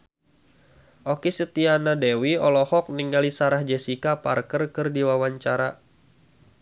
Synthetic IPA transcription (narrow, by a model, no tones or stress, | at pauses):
ʔokisət̪ianadɛwiɔlɔhɔk̚niŋɡalisaɾahd͡ʒɛsikaparkərkɨrdiwawaɲt͡ʃaɾa